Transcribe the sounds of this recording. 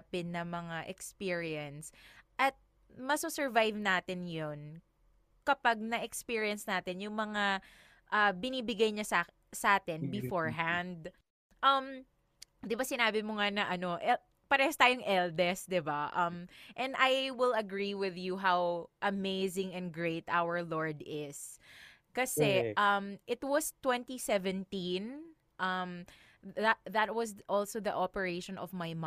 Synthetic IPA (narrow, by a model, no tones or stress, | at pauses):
pɪnːɐmɐŋaʔɛkspiɹiɛnsʔɐt̪̚ | mɐsusɛɹvajvnaːt̪ɪnjon | kɐpɐɡ̚nɐʔɛkspiːɹiɐnsnaːt̪ɪnjʊŋmɐŋa | ʔabɪniːbɪɡajɲɐsa | sɐʔaːt̪ɪnbɪfoɹɦand̪ | ʔɐm | d̪ɪbasɪnaːbɪmoŋanɐʔɐno̞ʔɛ | pɐɾɛhst̪aːjoŋʔɛld̪ɛsd̪ɪbaʔɐmʔɛ̃nd̪ʔajwɪlɐɡɹiwɪðjuɦawʔɐmeɪzɪ̃ŋɛ̃nd̪̚ɡɹeɪt̪awə˞loɹd̪ɪs | kɐsɛʔɐmʔɪt̪̚wɐst̪wɛ̃nt̪isɛvɛ̃nt̪ĩn | ʔɐm | ðɐt̪̚wɐs̬ʔɔlsoðɐʔɔpɛɹeɪʃɔ̃nɔvmajm